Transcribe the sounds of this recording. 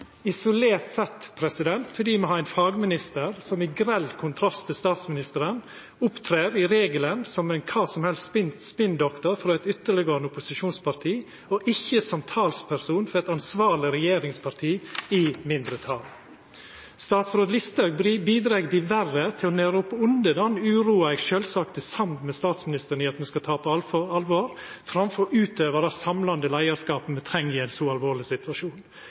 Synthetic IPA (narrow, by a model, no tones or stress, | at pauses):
ɪsʊleːɾt̪sɛt̪ːpʰɾɛsɪd̪ɛnt̪fɔɖiːmoːhɑːɛɪnfɑːɡmɪnɪst̪əɾsɔmɪɡɾɛlkʰʊnt̪ʰɾɑst̪ʰːɪlst̪ɑːt̪smɪnɪst̪əɾən | ʊpt̪ʰɾeːɾɪɾeːɡələnsɔmɛɪnkʰɑːsɔmhɛlst̪pɪnspɪnd̪ɔkt̪ɔɾfɾoːɛɪt̪ʏt̪ːəɭɪɡəənəʊpʊsɪʃuːnspɑɾt̪ʰiː | ɔʔɪçːəsɔmt̪ʰɑːlspʰæɾsuːnfɔɾɛt̪ɑnsʋɑːɭɪɾɛjeːɾɪŋspʰɑɾt̪ʰiːɪmɪnd̪ɾət̪ʰɑl | st̪ɑːt̪sɾoːd̪lɪst̪ɑʉɡbiːd̪ɾeːɡd̪ɪʋærət̪ʰɪlɔneːɾəʊpːəʊnd̪əd̪ɑːnʉːɾuːɑɛɡʃøːlsɑkt̪əsɑmt̪mɛst̪ɑːt̪smɪnɪst̪əɾɳɪɑt̪mɛskɑt̪ʰɑːpʰɔɑlʋoːɾ | fɾɑmfɔɾʔʉːt̪øːʋəɾəsɑmlɑnd̪əlæɪəɾskɑːpəmɛt̪ʰɾɛŋːɪæɪnsɔɑlʋoːɭɪsɪt̪ʋɑʂuːn